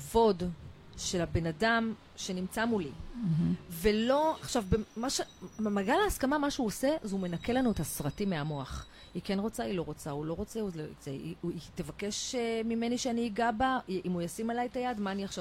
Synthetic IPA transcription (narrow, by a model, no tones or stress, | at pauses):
vo̞d | ʃe̞labe̞nadam | ʃenimt͡samuli | ve̞lo̞aχʃavbemaʃemaɡalaːskamamaʃeuose̞zeume̞nake̞lanuethasʁatimeamo̞aχ | ike̞nʁo̞t͡sailo̞ʁo̞t͡saulo̞ʁo̞t͡seuḛzeiitevake̞ʃmime̞niʃeaniːɡabaʔimujasimalajetajadmaːniaχʃav